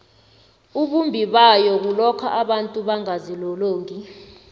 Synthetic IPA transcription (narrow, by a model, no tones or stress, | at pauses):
uɓumbʱiɓajɔk̬ulɔkʰa̰ʔaɓantʼuɓaŋazilɔloːŋi